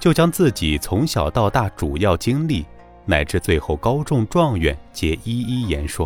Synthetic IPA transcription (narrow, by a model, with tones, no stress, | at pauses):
t͡ɕjo˥˩ʊt͡ɕjɑ˥ŋt͡sɹ̩˥˩t͡ɕi˨˩t͡sʰʊ˧˥ŋɕjɑ˨˩ʊt̪ɑ˥˧ʊt̪a˥˩ʈ͡ʂu˨˩jɑ˥˩ʊt͡ɕi˥ŋli˥˩ | na˨˩ɪʈ͡ʂɻ̩˥˧t͡swe˥˧ɪxo˥˩ʊkɑ˥ʊʈ͡ʂʊ˥˧ŋʈ͡ʂwɑ˥˧ŋɥɛ̰˨˩nt͡ɕjɛ˧˥i˥i˥jɛ˧˥nʂwɔ˥˩